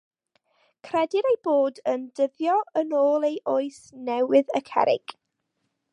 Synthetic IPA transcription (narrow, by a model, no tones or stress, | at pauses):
kʰrɛdɪɾejboːdəndəvjɔənoːlˠejʔoːɨsnɛwɪðəkʰɛ̰ɾɪ̰ɡ̥